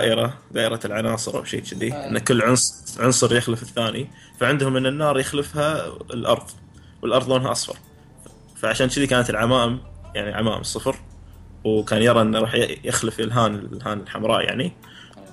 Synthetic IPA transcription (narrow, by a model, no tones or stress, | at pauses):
aːʔɪɾad̪aːʔɪɾalʕanɑːsˤɨɾˤʔa̰wʃḛːt͡ʃɪd̪iʔɪnːakɪlːʕʊnsʕʊnsˤɨɾˤjɪxlɪfɪθːaːni | faʕɪnd̪hʊmːɪnːɪnːɑːɾˤjɪxlɪfha̰lʔɑ̰ɾˤðˤ | wəlʔɑɾˤðˤʔoːnɦaʔɑsˤfɑ̰ɾˤ | faʕaʃaːnt͡ʃɪd̪ikaːnat̪ɪlʕamaːʔmja̰ʕniʕama̰ːʔɪ̰msˤːɨfɾwkaːnjɑɾˤɑʔɪnːɾˤɑːħjjɪxlɪfɪlɦaːnɪɦaːnɪlħamɾˤɑ̰ːʔja̰ʕni